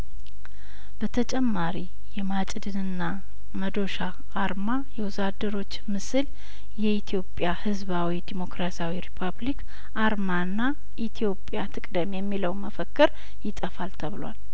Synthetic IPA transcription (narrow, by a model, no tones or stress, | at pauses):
b̥ət̪ʰət͡ʃʼɛmːaɾi | jɛmat͡ʃʼd̪ɨnɨnːa | məd̪o̞ʃaː | ɾmajɛwʊzad̪əɾo̞t͡ʃːmɨsɨl | jɛit̪ʰijo̞pʼjahɨzβawid̪imo̞kɾasiawiɾipʰablik | ʔaɾmaɨnːa | ʔit̪ʰijo̞pʼjat̪ʰɨkʼd̪əmjɛmːiləwməfəkːɨɾ | jɪt̪ʼəfalt̪ʰəβɨla̰l